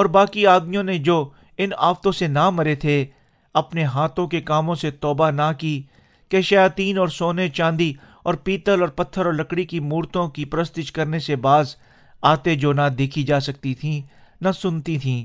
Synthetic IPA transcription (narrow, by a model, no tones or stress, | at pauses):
ɔːɾbaːkiaːd̪mijõned͡ʒoː | ɪna̰ːft̪õsenamɐɾet̪ʰe | ɐpneɦaːt̪õkekaːmõset̪ɔːbanakiː | keʃɐjaːt̪iːnɔːɾsoːnet͡ʃãːnd̪i | ɔːɾpiːt̪əlɔːɾpɐt̪ʰːəɾɔːɾlɐkɽikimuːɾt̪õkipɾəst̪ɪʃkɐɾnesebaːz | aːt̪ed͡ʒoːnad̪eːkʰid͡ʒaːsɐk̚t̪it̪ʰĩnasʊnt̪it̪ʰĩː